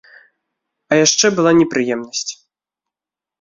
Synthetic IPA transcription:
ɐjaʂt͡ʂɛbɨlˠanʲɛpɾɨjɛmnɐsʲt͡sʲ

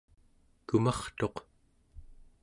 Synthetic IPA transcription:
kumɑχt̪o̞q

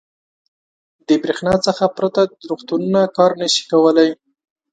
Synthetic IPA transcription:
d̪əbɾexnɑt͡səxapɾat̪aɾuxt̪ununakɑɾnəʃi̥kawəlaj

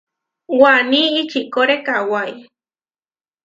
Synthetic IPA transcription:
waniːt͡ʃikoɾekawaj

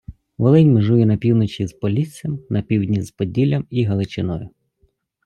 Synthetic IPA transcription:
ʋɔlˠɪnʲmɪʒʊjʊnɐpʲiwnɔt͡ʃizpɔlʲit͡sʲijɐmnɐpʲiwdʲnʲizpɔdʲilʲɐmiɦɐlˠɪt͡ʃɪnɔjʊ

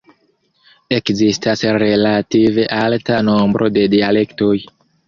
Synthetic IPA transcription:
e̞kzistasɾe̞lative̞ʔaltano̞mbɾʔo̞de̞diale̞kto̞j

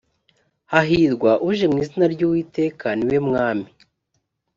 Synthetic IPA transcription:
haɦiɾɡwaʔuʒemŋiːzinaɾɟuːwiːte̞ːkʰaniwe̞mŋaːmi

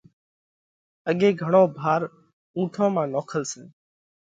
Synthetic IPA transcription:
əɠeːɡʱəɳõːbʱaːɾ | ũːʈʰõːmãːnoːkʰəlsẽː

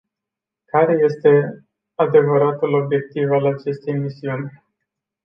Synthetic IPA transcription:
kaɾe̞je̞st̪e̞ | ad̪e̞vəɾat̪ulo̞bje̞k̚t̪ivalat͡ʃe̞st̪e̞jmisiunʲ

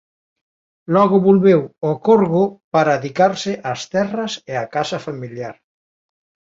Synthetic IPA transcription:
lɔɣʊβolβewɔkoɾɣʊpaɾaðikaɾsɪʔast̪ɛrɐseakasɐfamiljaɾ

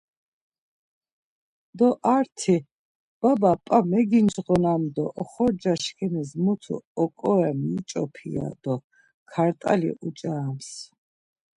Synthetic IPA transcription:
d̪ɔʔaɾt̪ʰi | b̥abapʼamɛɡind͡ʒʁɔnamd̪ɔʔɔχɔɾd͡ʒaʃkʰɛnizmut̪ʰṵɔkʼɔɛmit͡ʃʼɔ̰pʰḭa̰d̪ɔ | kʰaɾt̪ʼa̰lḭʔut͡ʃʼaːms

